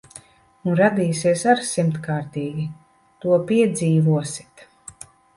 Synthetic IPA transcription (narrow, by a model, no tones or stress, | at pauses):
unɾad̪iːsiɛsaɾsimt̪kaːɾt̪iːɡʲi | t̪uɔpiɛd̪ziːvuɔsi̥t̪